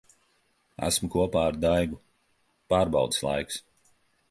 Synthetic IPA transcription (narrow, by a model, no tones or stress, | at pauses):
æ̰smukuɔpaːaɾd̪ajɡu | paːɾbɑ̰wd̪ɨslˠa̰jks